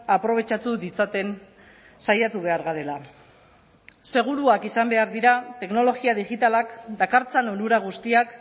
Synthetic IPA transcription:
apɾo̞β̞e̞t͡ʃat̪uðit͡sat̪e̞n | sajat̪uβ̞e̞aɾɣaɾe̞la | se̞ɣ̞uɾuakisambe̞aɾðiɾat̪e̞kno̞lo̞ɣiaðiɣit̪alakd̪akaɾt͡sanonuɾaɣ̞ust̪iak

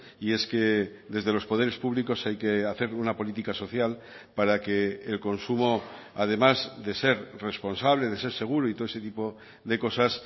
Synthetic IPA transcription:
ie̞ske̞ðe̞zðelo̞spo̞ð̞e̞ɾe̞spuβliko̞sajkeaθe̞ɾunapo̞lit̪ikaso̞θjal | paɾake̞ːlko̞nsumo̞ | að̞e̞mazðe̞se̞ɾre̞spo̞nsaβ̞leðe̞se̞ɾse̞ɣ̞uɾoit̪oeset̪ipo̞ | ðe̞ko̞sas

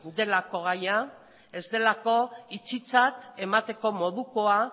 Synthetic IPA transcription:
d̪e̞lako̞ɣaja | e̞zd̪e̞lako̞it͡sit͡sat̪e̞mat̪e̞ko̞mo̞ðuko̞a

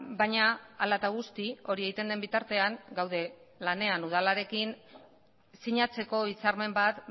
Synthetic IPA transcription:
bajɲaːlat̪aɣ̞ust̪io̞ɾie̞ɣit̪e̞nd̪embit̪aɾt̪e̞aŋɡawðe̞lane̞anuð̞alaɾe̞kin | siɲat͡se̞ko̞it͡saɾme̞mbat̪

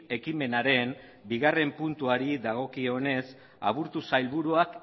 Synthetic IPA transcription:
e̞kime̞naɾe̞m | biɣare̞mpunt̪uaɾiðaɣ̞o̞kio̞ne̞s | a̰βuɾt̪usajlβuɾuak

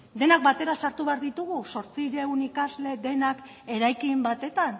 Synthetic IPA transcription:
d̪e̞nak̚bat̪e̞ɾasaɾt̪uβe̞aɾðit̪uɣuso̞ɾt͡siɾe̞unikazle̞d̪e̞nak | e̞ɾajkimbat̪e̞t̪an

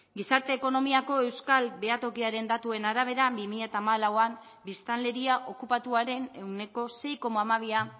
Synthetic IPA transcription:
ɡisaɾt̪e̞ːko̞no̞miako̞e̞wskalbe̞at̪o̞kiaɾe̞nd̪at̪ue̞naɾaβ̞e̞ɾabimiʎat̪aːmalawam | bist̪anle̞ɾiaʔo̞kupat̪uaɾe̞ne̞wne̞ko̞se̞jko̞maamaβ̞ia

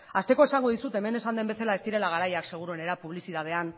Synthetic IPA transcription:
ast̪e̞ko̞e̞saŋɡoð̞isut̪e̞me̞ne̞sand̪e̞mbe̞selae̞st̪iɾe̞laɣ̞aɾajakse̞ɣ̞uɾue̞ne̞ɾapuβ̞lisiðað̞e̞an

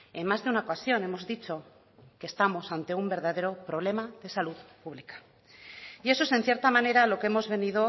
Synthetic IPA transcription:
e̞nmazðeunaokasjo̞ne̞mo̞zðit͡ʃo̞ | ke̞ːst̪amo̞sant̪e̞umbe̞ɾðaðe̞ɾo̞pɾo̞β̞le̞maðe̞saluðpuβlikḁ | ie̞soe̞se̞n̟θjeɾt̪amane̞ɾalo̞keemo̞zβe̞nið̞o̞

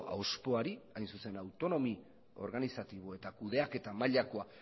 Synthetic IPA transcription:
a̰wspo̞aɾiajnsuse̞nawt̪o̞no̞mi | o̞̰ɾɣanisat̪iβ̞oe̞t̪akuðe̞ake̞t̪amaʎako̞a

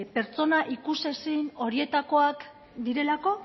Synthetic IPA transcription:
pe̞ɾt͡so̞naʔikuse̞sino̞ɾie̞t̪ako̞ak | d̪iɾe̞lako̞

